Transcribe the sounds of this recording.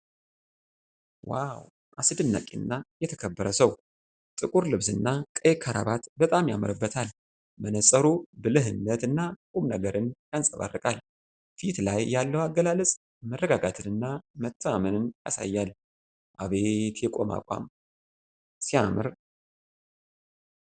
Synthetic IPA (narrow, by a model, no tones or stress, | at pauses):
waw | ʔasɨd̪ɨnːa̰kʼiɨnːajɛt̪ʰəkʰəbːəɾəsəw | t̪ʼɨkʼuɾlɨβsɨnːakʼəjekʰaɾa̰βat̪bət̪ʼamjaməɾɨbːət̪ʰal | mənəsʼəɾubɨlɨɦɨnːət̪ɨnːakʼumnəɡəɾɨnjansʼəβa̰rːɨkʼal | fit̪lajːalːəwaɡəlalɨsʼ | mərːəɡaɡat̪ʰɨnɨnːamət̪ʰːəmamənɨnja̰sa̰jːal | ʔaβe̞t̪ʰjɛkʼo̞̰ma̰kʼa̰m | siamɨɾ